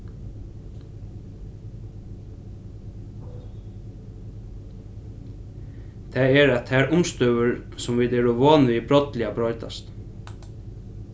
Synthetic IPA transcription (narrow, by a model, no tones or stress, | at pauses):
t̪ʰɛːɛɹat̪ʰɛɾʊmst̪œwəɹsɔmʋiːd̪ɛɾɔʋoːnʋɪbɾɔt̪lɪabɾɔʏt̪a̰st̪